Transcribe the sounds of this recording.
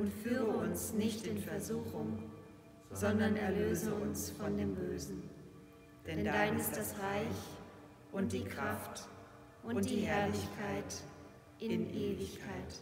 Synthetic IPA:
ʔʊntfyːʁəʊʊnsnɪçtɪnfɛɐzuːxʊŋ | zɔndɐnɛɐløːzəʊnsfɔndeːmbøːzn̩ | d̥nɛnddaɪnɪstd̥asʁaɪç | ʔʊnd̥iːkʁaft | ʔʊnd̥d̥iːhɛɐlɪçkʰaɪt | ʔɪnʔeːvɪçkʰaɪt

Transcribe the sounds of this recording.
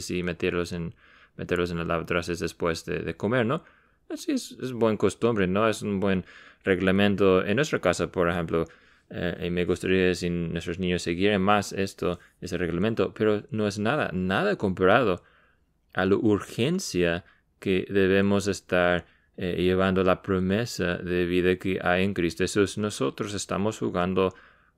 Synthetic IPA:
simet̪eɾlosen | met̪eɾlos̬enlalaβt̪ɾasezðespwesðḛðeko̞me̞ɾno | asiesesbwe̞ŋkost̪umbɾeno̞esunbwe̞nreɣlamẽ̞nt̪oḛnːwest̪ɾakasapoɾexemplo | ḛmeɣust̪aɾiasinwest̪ɾosnĩɲosːeɣjeɾenmasest̪o | esereɣlament̪o̞peɾono̞esnaða̰naðako̞mpaɾaðo | alaʔuɾxe̞nsja | keðe̞βemos̬est̪aɾ | eʝeβand̪olapɾo̞mesa̰ðeβiðakeʔa̰jeŋkɾist̪ohesusno̞so̞t̪ɾose̞st̪a̰mosxuɣand̪o

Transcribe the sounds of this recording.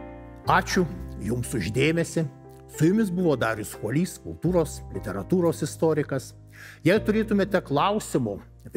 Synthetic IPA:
ɑːt͡ʃʲʊjʊmsʊʒʲd̪ʲeːmʲɛsʲɪ | sʊjʊmʲɪsbʊʋoːd̪ɑːɾʲʊskuɔlʲiːskʊ̰lˠt̪uːɾoːslʲɪt̪ʲɛɾɐt̪uːɾoːsɪst̪oːɾʲɪkɐs | jɛɪt̪ʊɾʲeːt̪ʊmʲeːt̪ʲɛklˠɐʊsʲɪmʊ

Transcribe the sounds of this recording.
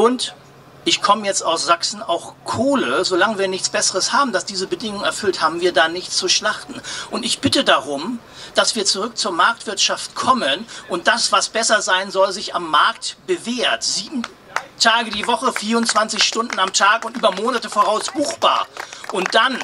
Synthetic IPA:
ʔʊnt | ʔɪçkʰɔməjɛt͡staʊsz̥aksn̩aʊxkʰoːləzolaŋəviːɐnɪçt͡sb̥ɛsəʁəshaːbm̩d̥asd̥iːzəbədɪŋʊŋɛɐfʏlthaːbm̩viːɐdaːnɪçt͡suʃlaχtn̩ʔʊntɪçb̥ɪtədaʁʊm | d̥asv̥iːɐt͡suʁʏk̚t͡suːɐmaɐk̚tv̥ɪɐtʃaftkʰɔmənʔʊnt̚d̥asv̥asb̥ɛsɐzaɪnzɔlzɪçamːaɐktb̥əveːɐtz̥iːbm̩ | tʰaːɡədiːvɔχəfiːɐʊntt͡sv̥ant͡sɪçʃtʊndn̩amtʰaːkʊntʔyːbɐmoːnatəfoːʁaʊsb̥uːxb̥a̰ːɐʔʊnt̚d̥an

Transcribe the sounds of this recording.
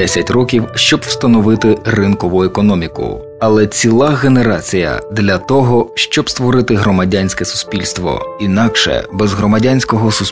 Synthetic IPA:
ɛsʲɐtʲrɔkʲiwʃt͡ʃɔbw̥st̪ɐnɔʋɪt̪ɪrɪnkɔʋʊekɔnɔmʲikʊ̰ | ɐlˠɛt͡sʲilˠɑɣe̞ne̞ɾɑt͡sʲijɐ̰d̪lʲɐt̪ɔɦɔʃt͡ʃɔbst̪ʋɔɾɪt̪ɪɦɾɔmɐdʲanʲsʲkɛsʊ̥spʲilʲst̪ʋɔ̰inɑkʃɛ̰bɛzɦɾɔmɐdʲanʲsʲkɔɦɔsʊs

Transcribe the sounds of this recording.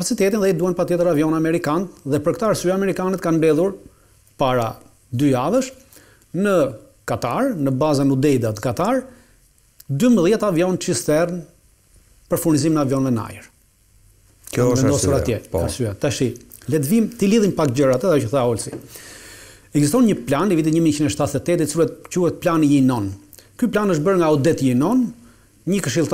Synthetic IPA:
pat͡sit̪ɛt̪inðɛid̪uhɛnpat̪jɛt̪əɾavjɔnamɛɾikanðɛpəɾkt̪aːɾsyamɛɾikanɛt̪kanmbɛðˠuɾ | paɾa | d̪yaðəʃ | nə | kat̪aɾnəbazanud̪ɛjd̪at̪kat̪aɾ | d̪ymbəðjɛt̪avjɔnt͡ʃist̪ɛrn | pəɾfuɾnizimnavjɔnvɛna̰jəɾ | vɛnd̪ɔsuɾat̪jɛasyat̪ɛʃi | lɛt̪vimt̪iliðimpak̪d͡ʑəɾat̪əðajɔəθaɔlsi | ɛɡzist̪ɔnɲəplanivit̪̬iɲəmit͡ɕind̪ɛʃt̪at̪ːɛt̪ːɛt̪it̪t͡silɛt̪cuhɛt̪̚planijinɔn | kyplanəʃt̪̚bəɾŋɡaɔd̪ɛt̪jinɔn | ɲəkəʃ̬ilˠt̪

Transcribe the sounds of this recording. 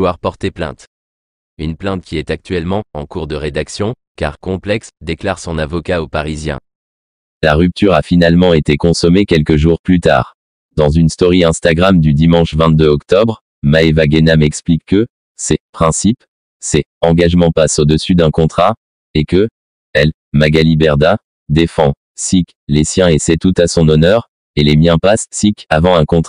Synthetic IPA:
waʁpɔʁt̪eplɛ̰̃t̪ | ynplɛ̃t̪̚kʲiɛt̪ak̚t̪ɥɛlmɑ̃ɑ̰̃kuʁd̪əʁed̪aksjɔ̃ | ka̰ʁkɔ̃plɛksd̪eklaʁsɔ̃navɔkaopaʁizjɛ̰̃ | laʁyp̚t̪yʁafinalmɑ̃et̪ekɔ̃sɔmekʲɛlkəʒuʁplyt̪a̰ːʁ | d̪ɑ̃zynst̪ɔʁiɛ̃st̪aɡʁamd̪yd̪imɑ̃ʃvɛ̃t̪̚d̪øɔkt̪ɔbʁ | maevaɡenamɛksplikːə | sepχɛ̃sip | seɑ̃ɡaʒmɑ̃pasod̪əsyd̪ɛ̃kɔ̃t̪χa | ekə | ɛl | maɡalibɛʁd̪a | d̪efɑ̃ | sik | lesjɛ̃esɛt̪ut̪asɔ̃nɔnœʁ | elemjɛ̃pasːikavɑ̃ɛ̃kɔ̃t̪

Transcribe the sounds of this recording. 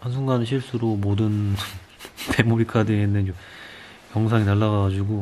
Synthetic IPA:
hansʰuŋɡanɯɕʰiɭs͈uɾomodɯn | pʰe̞mobikʰadɯenːɯnt͡ɕom | jʌŋs̬ʰaŋinaɭːaɡad͡ʑuɡo

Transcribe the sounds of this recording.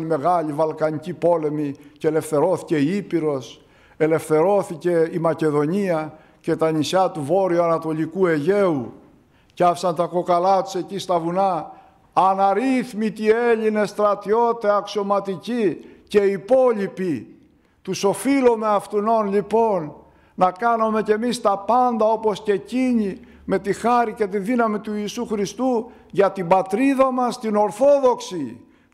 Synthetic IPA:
nime̞ɣɐʎivɐlkɐɲicipo̞le̞miceele̞fθe̞ɾo̞θi̥ce̞iipiɾo̞s | e̞le̞fθe̞ɾo̞θice̞imɐce̞ðo̞ɲiɐ | ce̞t̪ɐnisɐt̪uvo̞ɾioɐnɐt̪o̞ʎikue̞ʝe̞u | ceɐfi̥sɐnt̪ɐko̞kɐlɐt̪u̥se̞cist̪ɐvunɐː | nɐɾiθmit̪ie̞ʎinest̪ɾɐt̪io̞t̪eɐksio̞mɐt̪icice̞ipo̞ʎipi | t̪uso̞filome̞ɐft̪uno̞nʎipo̞nː | ɐkɐnome̞ce̞mist̪ɐpɐnd̪ɐo̞po̞sce̞ciɲi | me̞t̪ixɐɾice̞t̪iðinɐmit̪uiːsuxɾist̪u | ʝɐt̪ibɐt̪ɾiðɐmɐst̪ino̞ɾθo̞ðo̞ksi

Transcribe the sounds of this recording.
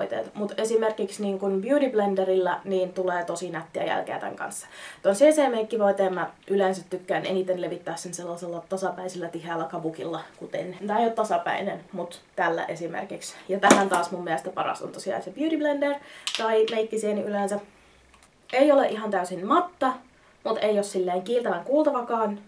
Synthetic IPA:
it̪ḛːt̪mut̪esimerkiksniːŋkunbjuːɾiblendeɾilːæniːnt̪uleːt̪osinæt̪ːiæ̰jæ̰lkḛːt̪æ̰ŋkɑ̰nsːɑ̥t̪onseːseːmeikːiʋoit̪eːmːæʔyleːnsæt̪tykːæːnḛniːt̪enleʋit̪ːæːssenselːɑselːɑt̪ɑsɑpæisilːæt̪ihæːlːækɑʋukilːɑkut̪ent̪ɑijot̪tɑsɑpæ̰inenmut̪t̪ælːæ̰ʔesimḛrkiksjɑt̪æhænt̪ɑːsmummiælest̪æpɑrɑ̰st̪ṵnt̪ɑsiɑ̰isebjyːt̪iblændert̪ɑimeikːiseːniʔylensæ | eioleʔiɦɑnt̪æysinmɑt̪ːɑ | mut̪ejossilːeːŋkiːlt̪æʋæŋkuːlt̪ɑʋɑkɑːn

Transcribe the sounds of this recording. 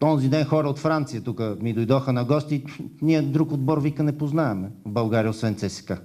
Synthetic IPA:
t̪ɔnzid̪ɛnxɔɾəot̪fɾant̪sijət̪ukəmid̪ojd̪ɔxənɐɡɔst̪iniɛd̪ɾukod̪̚bɔɾvikənɛpoznaɛmɛvbɐlˠɡaɾijəʊt̪svɛnt̪sɛsɛ̥ka

